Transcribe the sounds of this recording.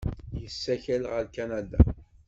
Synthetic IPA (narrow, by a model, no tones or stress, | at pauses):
jəsːæçælʁəlkænæd̪a̰